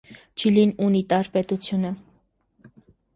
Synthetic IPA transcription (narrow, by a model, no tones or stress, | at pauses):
t͡ʃʰilinunit̪ɑɾpɛt̪ut͡sʰjunə